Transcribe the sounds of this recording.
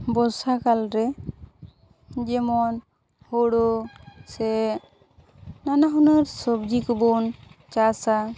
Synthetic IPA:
bɔsakalɾɛ | d͡ʒɛmɔn | hɔɽɔsɛ | nanaɦunəɾsɔbd͡ʒikɔbɔnt͡ʃasa

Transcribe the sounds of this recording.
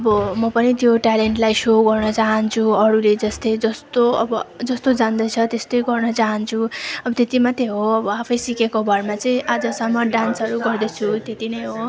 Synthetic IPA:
ʌbʌmʌpʌnit̪joʈaleɳʈlajsoɡʌrnʌt͡saɦʌnt͡sʰuʌɽuled͡zʌst̪ʌjd͡zʌst̪oʌ̰bʌd͡zʌst̪od͡zand̪ʌt͡sʰʌt̪est̪ʌjɡʌrnʌt͡saɦʌnt͡sʰuʌbʌt̪et̪imat̪eɦoʌbʌapʰʌjsikekobʱʌrmat͡sʌĩʔad͡zʌsʌmːʌɖansʌɾuɡʌrd̪ʌt͡sʰut̪et̪inʌjɦo

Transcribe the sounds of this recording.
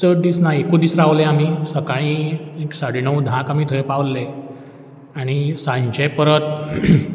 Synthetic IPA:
səʈ̚d̪iːsnaekud̪isɾaːʋleamiːsəkaĩeksaɽinəwd̪ʱãkamiːt̪ʰəepaʋlːe | aɽ̃isãɲt͡ɕepəɾət̪̚

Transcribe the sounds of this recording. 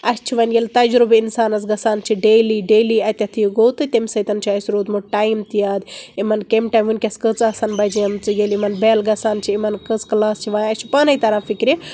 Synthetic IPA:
ɐst͡ʃʰiʋɐnjelt̪ɐd͡ʒɾubinsaːnɐzɡɐsaːnt͡ʃʰiɖeːliɖeːliɐt̪ʲɐt̪ʰijɡoːt̪ɨt̪ʲemsɐjt̪ɐnt͡ʃʰiɐsɾoːd̪muʈaːjmt̪ijaːd̪imɐnkemʈaːjmʋunʲkʲɐskət͡sasɐnbɐd͡ʒiɐmt͡sɨjelimɐnbeːlɡɐsaːnt͡ʃʰiimɐnkət͡sklaːst͡ʃʰiʋãːɐsʲt͡ʃʰipaːnɐjt̪ɐɾãːfikɾi

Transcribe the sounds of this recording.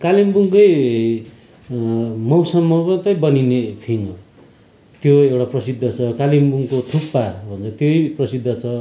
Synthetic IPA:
kalimbuŋkʌj | mʌwsʌmːʌpʌt̪ʌjbʌninepʰinʌ | t̪joewʈaprʌsid̪ʱːʌt͡sʰʌkalimbuŋkot̪ʰupːabʱʌnt͡sʰʌt̪joiprʌsid̪ʱːʌt͡sʰʌ

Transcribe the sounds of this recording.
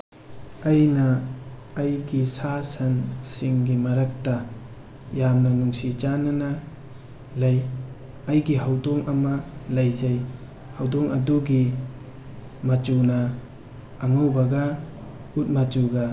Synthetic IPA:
ɐjnɐː | jɡisasɐnsiŋɡimɐɾɐk̚tɐ | jamnɐnuŋsit͡ʃanɐnɐ | laj | ɐjɡiɦawdoŋʔɐmɐlɐjzaj | hawdoŋɐ̰duɡi | mɐt͡ʃunɐː | ŋawbɐɡɐ | ut̚mat͡ʃuɡɐ

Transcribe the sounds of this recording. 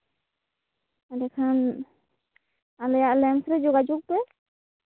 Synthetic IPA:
adɛkʰan | alɛjaʔlɛmsɾɛd͡ʒuɡad͡ʒuk̚bɛ

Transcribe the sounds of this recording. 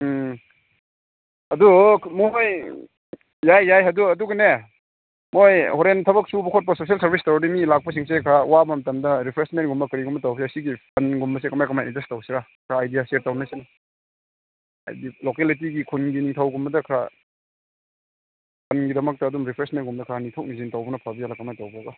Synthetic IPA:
ɐdumoj | jajːajɦɐduɐduɡɐne | mojhoɾentʰɐbɐk̚subɐkʰot̚pɐsosielsɐɾbistaɾdimilak̚pɐs̬iŋsekʰɾawabɐmɐtɐmdɐɾipʰɾesment̚ɡumbɐkɐɾiɡumbɐtawɐseɐsiɡipʰɐnɡumbɐs̬ekɐmajkɐmajindestawsiɾakʰɾaːjdijaseɾtawnasinɐ | a̰jbilokelit̬iɡikʰunɡiniŋtʰawɡumbɐdɐkʰɾa | pʰɐnɡidɐmɐk̚tɐːdumɾipʰɾesmentɡumdɐkʰɾanitʰok̚nizintawbɐnɐpʰabizalakɐmajtawbaɡɐ

